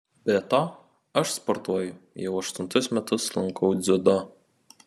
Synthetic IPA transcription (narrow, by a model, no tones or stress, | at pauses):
bʲɛt̪ɑː | ɐʃspɔɾt̪uɔjʊjɛʊɐʃt̪ʊnt̪ʊsmʲɛt̪ʊslˠɐŋkɔʊd̪zʲʊd̪ɔ